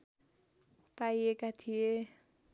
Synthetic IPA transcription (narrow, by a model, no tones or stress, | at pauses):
paiekat̪ʰije